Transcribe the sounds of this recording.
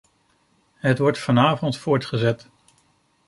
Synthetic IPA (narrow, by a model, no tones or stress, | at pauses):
ɦətʋɔɹtfɑnaːvɔntfʊːɹtχəzɛt